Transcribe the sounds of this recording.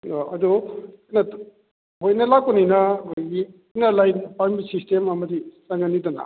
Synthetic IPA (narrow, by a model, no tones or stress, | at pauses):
ɐdu | nɐ | hojnɐlak̚pɔninɐoɡi | nɐlajpambisistemɐmɐdisaŋɡɐnːidɐna̰